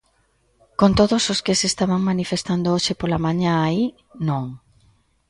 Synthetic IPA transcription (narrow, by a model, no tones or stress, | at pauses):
kont̪oðososkesest̪aβaŋmanifest̪and̪ooʃepolamaɲãai | nõŋ